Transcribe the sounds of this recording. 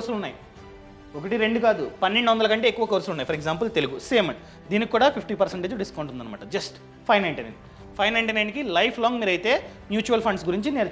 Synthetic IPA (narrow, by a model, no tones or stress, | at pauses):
koːɾsɐlunːaːji | okɐʈiɾe̞ɳɖukaːd̪upɐnːeɳɖuʋɐnd̪ɐlɐkɐɳʈe̞ːkːuʋɐkoːɾsɐlunːaːjipʰɐɾeɡzaːmp̬ɐlt̪e̞luɡuseːmɐɳ | d̪iːnikkːuːɽaːpʰipʈiːpɐɾseɳʈed͡ʒɖiskɐwɳʈund̪ɐnːɐmaːʈɐd͡ʒɐsʈ | pʰɐjnɐjɳʈɐnɐ̰̃ | pʰɐjnɐjɳʈinɐjnikilɐjpʰlɔːŋɡmiːɾɐjit̪e̞ː | mjuːt͡ʃuːʋɐlpʰɐɳɖsɡuɾiɲt͡ʃineːɾ